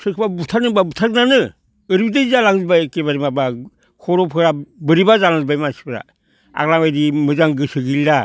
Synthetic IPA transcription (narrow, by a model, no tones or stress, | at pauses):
sɯkʰɯbabutʰanɯbabutʰaknanɯ | ɯɾbidɯjzalaŋzbaekebaɾimaba | kʰɔɾɔpʰɯɾabɯɾibazalaŋzbajmasi̥pɯɾa̰ | a̰klamajdimɯzaŋɡɯsɯɡilda